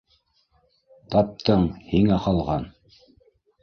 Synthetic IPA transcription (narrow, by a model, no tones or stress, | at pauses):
t̪ɑp̚t̪ɤɴhiŋæqɑlˠʁɑn